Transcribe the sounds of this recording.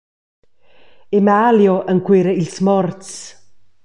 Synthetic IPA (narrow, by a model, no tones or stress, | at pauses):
emaːljoʔənkweɾəilsmɔɾt͡s